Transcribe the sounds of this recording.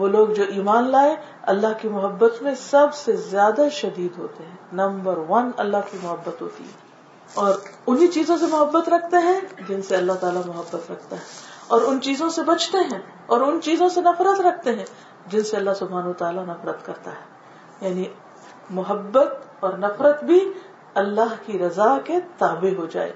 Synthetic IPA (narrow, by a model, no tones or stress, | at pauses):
ʋoːloːɡd͡ʒoːʔiːmaːnlaːe | ɐ̰lːaɦkimʊɦəbːət̪mẽsɐbsezjaːd̪aʃɐd̪iːd̪ɦo̰ːt̪eɦɛ̃ːnɐ̃mbəɾʋɐnɐ̰lːaɦkimʊɦəbːət̪ɦo̰ːt̪ḭɦɛː | ɔːɾʊnɦit͡ʃiːzõs̬emʊɦəbːət̪ɾɐk̚ʰt̪eɦɛ̃d͡ʒɪnseɐlːaɦt̪aːlamʊɦəbːət̪ɾɐk̚ʰt̪aɦɛːɔːɾʊnt͡ʃiːzõsebɐt͡ʃʰt̪eɦɛ̃ː | ɔːɾʊnt͡ʃiːzõsenɐfɾət̪ɾɐkʰt̪eɦɛ̃ | d͡ʒɪnseɐlːaɦsʊbʱaːnɐut̪aːlanɐfɾət̪kɐɾt̪aɦɛː | jaːni | mʊɦəbːət̪̚ɔːɾnɐfɾət̪bʱi | ɐlːaɦkiɾɐzaket̪aːbeɦod͡ʒa̰ːḛː